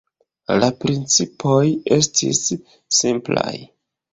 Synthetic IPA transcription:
lapɾint͡sipʰoje̞stʰḭsː | impla̰j

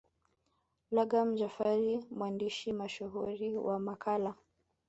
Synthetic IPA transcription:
laɡam̩d͡ʒafaɾimwandiʃimaʃuɦuɾiwamakʰala

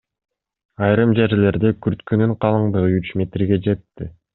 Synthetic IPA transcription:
ɑjɾɯmd͡ʒe̞ɾle̞ɾd̪ekyɾt̪kynyɴqʰɑlˠɯɴd̪ɯʁɯyt͡ʃmʲe̞t̪ɾɡe̞d͡ʒe̞t̪ːi

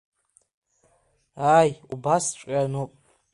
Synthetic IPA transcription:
aːjubast͡ʃʷʼanupʼ

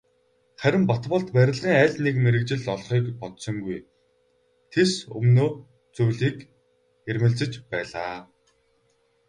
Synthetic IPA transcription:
χæɾʲɪ̆mpɔt̪pɞ̆ɮt̪pæɾʲɪ̆ɮʁiːŋæːɮnekmeɾɘ̆kt͡ɕɪ̆ɮɔɮχiːkpɔt̪sɞ̆ŋɡuj | t̪ʰesɵ̰mnoː | t͡sujɮiːk | ermɘ̆ɮt͡sɘ̆t͡ɕpæːɮaː

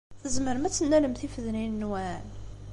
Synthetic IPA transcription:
θəzməɾmæt͡sːənːæləmθifəðninnwæn

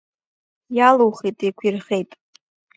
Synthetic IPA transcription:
jaluwχejtʼekʷʰirχejtʼ

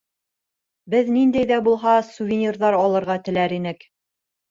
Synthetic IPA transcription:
bɘðnind̪æjðæbulˠɦɑsuvʲɪnʲirðɑɾɑlˠɤ̆ɾʁɑt̪ɘ̆læɾinɘk

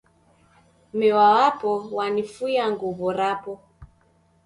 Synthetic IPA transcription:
mɛwawapɔwanifujaŋɡɔβɔɾapɔ

